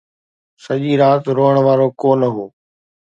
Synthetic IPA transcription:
səʄiːɾaːt̪ɾoːɦəɽ̃ʋaːɾoːkoːnəɦoː

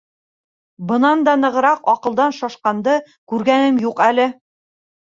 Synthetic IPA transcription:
bɤ̆nɑnd̪ɑnɤ̆ʁɤ̆ɾɑqɒqɤ̆lˠd̪ɑnʃɒʃqɑnd̪ɤ | kʉɾɡænɘmjuqælɘ

